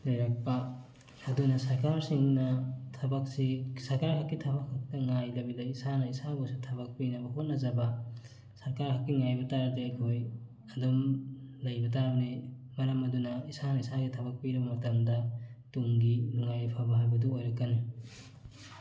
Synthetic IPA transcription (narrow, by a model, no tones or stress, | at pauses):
lɐjɾak̚pɐ | ɐdunɐsɐɾkaɾsiŋnɐtʰɐbɐk̚sisɐɾkaɾhakːitʰɐbɐkhak̚tɐŋajlɐbidɐjisanɐisaɡosutʰɐβɐk̚pinɐbɐɦot̚nɐzɐbɐ | sɐɾkaɾhakːiŋajbɐtaɾɐdeɐjkʰoj | ɐdumlɐjbɐtabni | mɐɾɐmɐdunɐisanɐisaɡitʰɐbɐk̚piɾɐbɐmɐtɐmdɐtuŋɡiluŋajpʰabɐɦajbɐduojɾɐkːɐni